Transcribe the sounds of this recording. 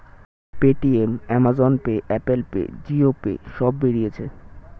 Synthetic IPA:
peʈiemɛmad͡ʑonpeʔɛpelpḛd͡ʑiopḛʃɔbːeɾijet͡ɕʰe

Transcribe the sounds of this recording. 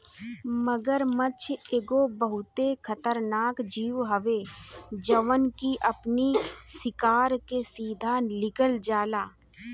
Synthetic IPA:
məɡəɾmət͡ʃʰeːɡobəɦʊt̪ekʰət̪əɾnaːkd͡ʒiːʋɦəʋed͡ʒəʋənkiʔəpnisɪkaːɾkesiːd̪ʱanɪkəld͡ʒaːlaː

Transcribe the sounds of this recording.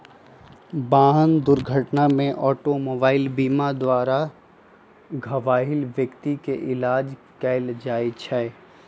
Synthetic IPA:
baːɦənd̪ʊɾɡʱəʈnamẽʔɔːʈomoːbaːɪlbiːmad̪waːɾa | ɡʱɐʋaːɦɪlʋjəkt̪ikeʔɪlaːd͡ʒ | kɛːld͡ʒaːit͡ʃʰɛː

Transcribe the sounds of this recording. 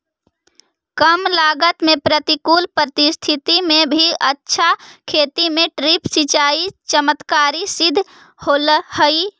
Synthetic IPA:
kəmlaɡət̪mepɾət̪ikuːlpɾət̪ist̪ʰit̪imẽbʱiətːʃʰakʰet̪imẽʈɾipsit͡ʃaːit͡ʃəmət̪kaːɾisɪd̪ʱ | holhəi

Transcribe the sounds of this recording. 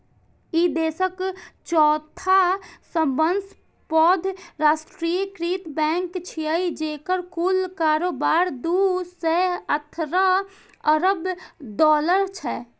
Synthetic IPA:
id̪eːsəkt͡ʃɔːt̪ʰasəmbəns | pɔːd̪ʱɾaːsʈɾikɾiːt̪bɛ̃ːŋkt͡ʃʰiəid͡ʒeːkəɾkulkaːɾoːbaːɾd̪usɛət̪ʰɾa | əɾəbd̪ɔːləɾt͡ʃʰɛː

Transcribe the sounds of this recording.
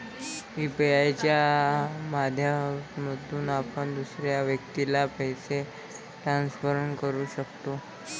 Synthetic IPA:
ibajt͡ɕja | mad̪ʱjaməd̪ʱuːnapəɳd̪usɾjaʋjəkt̪ilapəjse | ʈɾansfəɾəɳkəɾuːɕəkt̪o

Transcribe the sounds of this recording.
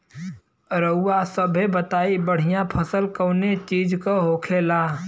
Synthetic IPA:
ɾəʊːasəbʱebət̪aːibəɽ̤ɪjãpʰəsəlkəːnet͡ʃiːd͡ʒkoɦoːkʰeːlaː

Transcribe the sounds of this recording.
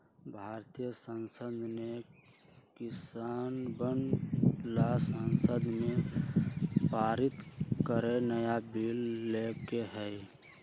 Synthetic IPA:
bʱaɾt̪ijəsənsəd̪ʱne | kisanbənlasənsəd̪mẽ | paɾit̪kəɾenəjabilːekeɦɛj

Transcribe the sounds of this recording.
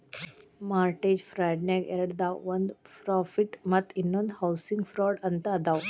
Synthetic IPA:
maɾʈed͡ʑfɾajɖnɛɡḛɾəɽd̪awʋənd̪fɾɔfiʈmət̪ʰinːond̪hawsiŋɡfɾɔɽənt̪ad̪aw

